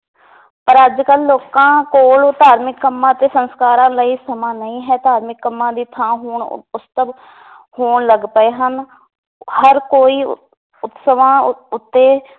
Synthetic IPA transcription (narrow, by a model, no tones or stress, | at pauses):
pəɾəd͡ʒkəlːoːkãːkoːlt̪aːɾmɪkːəmːãːət̪eːsənskaːɾãːləiːsəmãːnəĩːɦɛːt̪aːɾmɪkːəmːãːd̪iːt̪ʰãːɦoːɳʊst̪əb | hoːɳləɡpəeːɦən | həɾkoːiː | ʊt̪səʋãːʊt̪ːeː